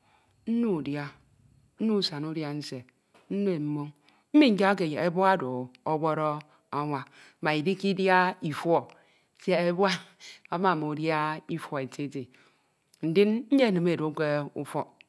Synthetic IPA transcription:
n̩˦nu˦˨dja˦ | n̩˦nu˦˨sa˨nu˦dja˦n̩˦se˨ | n̩˦n˦e˦˨m̩˦mo˦ŋ | m̩˦mi˦ka˦k̬e˨je˨e˦bɔ˦a˦do˨ɔ˦wɔ˦ɾɔ˦ | a˦ŋʷa˨˦ | ma˨i˨di˦ki˦dja˦i˨fwɔ˦ | se˦e˦bwa˦a˦ma˨mo˨dja˦i˦fɔ˨e˨te˦te˨ | n̩˨di˦nn̩˦ɲe˦˨nɨ˨me˨ɾo˨˦ke˦ṵ˦fɔ˦

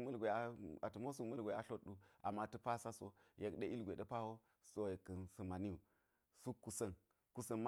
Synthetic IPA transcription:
mə˦lɡʷe˨a˦a˨tu˨mo˦su˨kmɐ˦lɡʷe˨a˦ɬo˦tːɗu˨ʔa˨mːa˦tə˦pa˦sa˦so˦je˨kɗe˦ʔi˦lɡʷe˨ɗe˦pa˦ho˦ | so˦je˨kːə˨nsə˨ma˨ni˦u˨ | su˦kːu˨sə˦n | ku˦sə˦˨nm˦

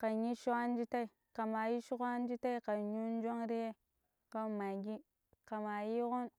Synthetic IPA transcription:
ka˨ɲi˦ʃu˦a˦n˦d͡ʒi˦ta˦i˨ | ka˨ma˨ji˦ʃu˦kʷn˦d͡ʒi˦ta˦i˦ka˨ɲu˦n˦d͡ʒo˦ŋɾi˦je˦ | ka˦ma˨ɡi˦ | ka˨ma˨ji˦ɣu˦n

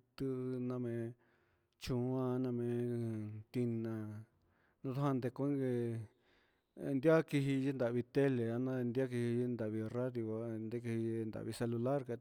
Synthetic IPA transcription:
t̪ɨ˦˧nã˧mẽ˧ | t͡ʃũ˧˦a˦˧nã˧mẽ˧t̪i˧nã˧ | nũ˧t̪a˦hã˧nd̪e˧kũ˦ŋɡe˧ | nd̪ja˦ki˧ɦi˧ʒi˦nd̪a˨βi˧t̪e˦le˨a˧nã˦˧nd̪ʲa˦k̬i˧hi˧i˦˧nd̪a˨βi˧ra˦ðjo˧ka˧˦nd̪e˦ki˧hi˧nd̪a̰˨ʔβi˧se˧lu˧la˦ɾka˧

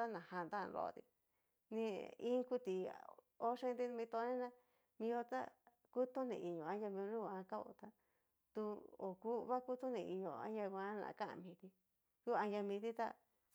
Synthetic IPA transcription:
a˦nã˨hã˧nd̪a˦˧nɾo̰˧t̪i˧ | nĩ˧ĩ˦ku˦t̪i˨ | o˦ʂẽ˦˧˦nd̪i˦˧mĩ˧t̪o˧˦nẽ˦nã˦ | mĩ˧jo˧t̪a̰˦ | ku˦t̪o˦nḭ̃˧˨i˨ɲõ˨a˦ja˧mĩ˧o˧nũ˦˧ã˧ka˦o̰˧˨t̪a˦ | t̪u˧o̰˨ku˦˧βa˦ku˦t̪o˦nĩ˧i˧ɲõ̰˨ã̰˦ja˧kʷã˧˦nã̰˧˨˧kã˦ʔã̰˧mĩː˨˧t̪i˧ | ku˦a˧ja˧mĩ˧t̪i˦t̪a̰˦

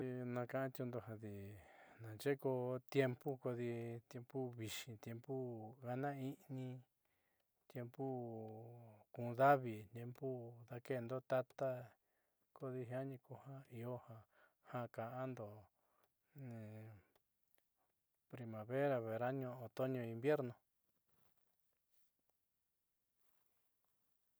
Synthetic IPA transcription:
i˧nã˧kã˧ʔã˦t̪jũ˧nd̪o˧ɦã˧ði˨nã˨nt͡ʃe˦ko˧t̪je˧mpu˦ko˧ði˧t̪je˧mpu˦βi˨ʃĩ˧t̪je˧mpu˦ɣa˦nã˦i˦nĩ˧ | t̪je˧mpu˦ | kũ˨˧ða˦βi˧˨t̪je˧˦mpu˦ða˦ke˦˨˧nd̪o˦t̪a˦t̪a˦ | ko˦ði˧ɦi˧˦a˦ɲĩ˧ku˧hã˦i˧o˦hã˧ | hã˦kã˨ʔã˦nd̪o˨ | pɾi˧mã˨βe˦ɾa˧βe˨ɾa˦ɲõ˧˨ʔõ˧t̪o˦ɲõ˧ĩ˧mbje˦ɾnõ˧

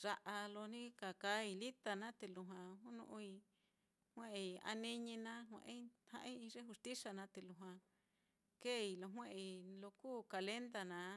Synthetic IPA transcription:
ʐ̥a˧ʔa˧lo˧nĩ˦ka˨ka˦i˧li˦t̪a˧nã˦t̪e˧˨lu˧ɦwã˨ɦu˦nṵ̃˧ʔũ˧i˧ | hw̃ẽ˦ʔa̰˧nĩ˧ɲĩ˧nã˦ɦʷḛ̃˨ʔĩ˦hã̰˧ʔĩ˦i˧ʐe˦hu˧st̪i˦sa˧nã˧˦t̪e˧˨lu˧ɦwã˧ | keː˦˨i˧lo˧ɦwẽ˦ʔi˧˨lo˧kuː˦˨ka˨le˦nd̪a˧nã˨˦

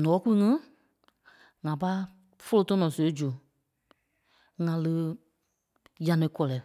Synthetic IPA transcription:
nɔ̃ː˨˦ku˦u˧ŋĩ˦ | ŋã˨pa˦ | fo˦lo˦tɔ̃˦nɔ̃˨so˨e˦d͡ʒu˨ | ŋã˨lɨ˦ | jã˨˦nẽ˨˦kɔ˦lɛ˨˦

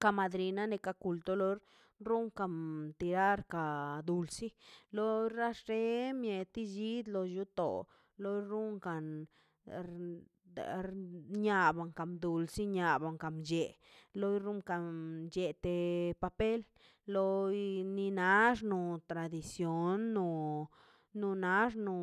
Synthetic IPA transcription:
ka˧ma˧d̪ɾi˨na˦ne˧ka˧ku˧lt̪o˦lo˧ɾ | ɾu˦ŋka˨mt̪i˨ɾa˦ɾka˨d̪u˨lsi˦lo˦ɾa˦ʂɾe˦mje˨t̪i˦d͡ʒi˦d̪lo˧ju˧t̪o̰˨ | lo˦ɾu˦ŋka˨n | ɲa˨ba˨ŋka˨md̪u˨lsi˦ɲa˨ba˨ŋka˨md͡ʒe˨ | lo˦jɾu˦ŋka˨d͡ʒe˨t̪e˨pa˧pe˦l | lo˧jni˧na˧˦ʂ̬nu˧t̪ɾa˨d̪i˧sjo˨nːuː˧ | u˧na˦ʐnu˨

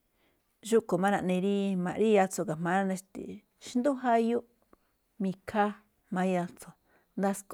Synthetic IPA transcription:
ʒu˦ko˨mã˦ɾã̰˧ʔnĩ˧ɾi˦mã̰˧ɾi˦ja˧t͡so˧˨ka˨mã˨˦ɾã˦nẽ˧ʃt̪ḭ˨ | ʃi˧nd̪u˦ɦa˦ju˦ | mĩ˧kʰa˦ | mã˧˦ja˧t͡so˨ | nd̪a˦sk

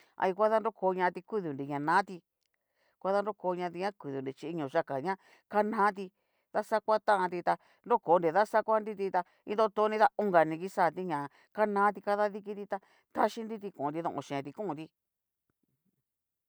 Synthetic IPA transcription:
a̰˧i˧kʷa˦ða˦nɾo˦koː˨˧˦ɲã˧t̪i˧ku˦ðu˨ndi˨ɲã˨nãː˨˦t̪i˧ | kʷa˦ða˦nɾo˦ko˧˦˧ɲã˧t̪̬i˧ɲã˦ku˨ðu˨ndi˧t͡ʃi˧i˧ɲõ˨ʃa˧ka˨ɲã˦ | ka˦nãː˦t̪̬i˧ | ða˦sa˦kʷa˦t̪ã˦ʔã˧t̪i˧t̪a˧ | nɾo˦koː˨˦nɾi˨ða˦sa˦kʷa˦nɾi˧t̪i˧t̪a˧ | ĩ˦d̪o˦t̪o˧˦nĩ˦˧t̪a˧u˧˦ŋɡa˨nĩ˧ki˦saː˦˨t̪i˦ɲã˨ | ka˦nãː˦t̪̬i˧ka˦ða˦ði˦ki˧˦t̪i˧t̪a˧ | t̪a˦ʃi˦nɾi˦t̪̬i˧kũ˨˧ɾi˧ðõ̰˧˨ʔõ̰˧˨ʃẽ˨t̪i˧kũ˦˧ɾi˧

